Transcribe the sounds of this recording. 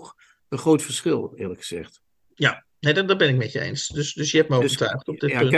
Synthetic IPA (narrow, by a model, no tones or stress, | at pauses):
ənχrowtfəɹsχɪlˠɪːɹləkχəz̥ɛ̰χt | ja | nejdɔdɔbɛnɪk̚mɛtjəḛjnsdɵsdɵsjəɦɛp̚məovəɹtœɥχtɔbdɪtnt